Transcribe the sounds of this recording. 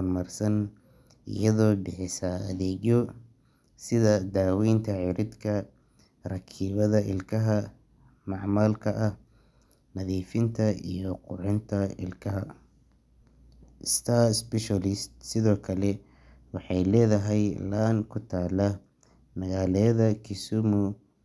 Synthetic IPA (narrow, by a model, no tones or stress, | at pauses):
rmɐrsɐn | ɪ̰jɐðɔːbɪħɪsɐɐðɛːɣjɔ | sɪðɐd̪aːwiːnt̪ʰɐʕɪɾɪd̪kʰɐ | rɐkʰiːβɐðɐʔɪ̰lkʰɐɦɐ | mɑʕmaːlkʰɐʔɐh | nɐðiːfɪnt̪ʰɐḭjɔqʊʕɪnt̪ʰɐɪ̰lkʰɐɦɐ | ʔɪst̪ʰaspɛʃalɪst̪sɪðɔːkʰɐlɛ | wɑħɑjlɛːðɐɦɛjlaːnkʰʊt̪ʰaːlɐ | mɐɣaːlɛjɐðɐkʰɪsʊmʊ